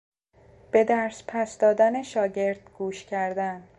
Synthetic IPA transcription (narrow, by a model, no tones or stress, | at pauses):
b̥e̞d̪æɾspʰæsd̪ɒːd̪æne̞ʃɒːɟe̞ɾd̪̥ɡ̥uːʃcʰæɾd̪æn